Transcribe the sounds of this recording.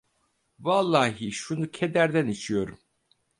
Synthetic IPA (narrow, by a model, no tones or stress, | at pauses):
valˠːaːɦiʃunucʰed̪æɾd̪ænit͡ʃʰijo̞ɾum